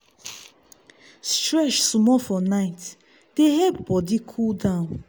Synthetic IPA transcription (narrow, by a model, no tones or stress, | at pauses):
stɹɛʃsumɔfɔnaɪt | d̥eɦɛpbɔdikʰuldãʊ̃n